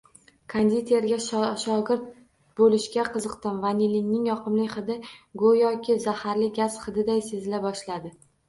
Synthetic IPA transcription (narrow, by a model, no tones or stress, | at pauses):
kʰand̪it̪ʰe̞ɾɡʲaʃʃɒɡʲɪɾt̪̚ | bolɪʃkʲaqʰɨzɨqt̪ɪmvanilɪŋnɪŋjɒqʰɨmlɪjχɨd̪ɪɡojɒkʲʰɪzahaɾlɪɡʲaz̥χɨd̪ɪd̪ajse̞zɪlabɒʃlad̪ɪ